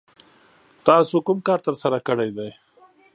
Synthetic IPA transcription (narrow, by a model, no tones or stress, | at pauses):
t̪ɑːsukumkaːɾt̪əɾsɐɾakəɽejd̪aj